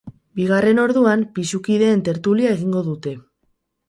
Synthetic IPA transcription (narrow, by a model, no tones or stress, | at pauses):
biɣare̞no̞ɾðuampisukiðe̞ːnt̪e̞ɾt̪uliae̞ɣiŋɡo̞ðut̪e̞